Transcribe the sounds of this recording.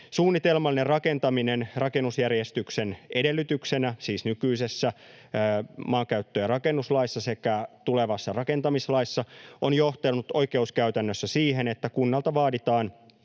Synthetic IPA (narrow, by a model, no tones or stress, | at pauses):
suːnːit̪e̞lmɑlːinerrɑke̞nt̪ɑminenrɑke̞nːusjærjest̪yksenede̞lːyt̪yksenæsiːsnykyise̞sːæ | mɑːkæyt̪ːøjɑrɑke̞nːuslɑisːɑse̞kæt̪ule̞ʋɑsːɑrɑke̞nt̪ɑmislɑisːɑonjo̞ht̪elnut̪o̞ike̞uskæyt̪ænːøsːæsiːɦe̞net̪ːækunːɑlt̪ɑʋɑːdit̪ɑːn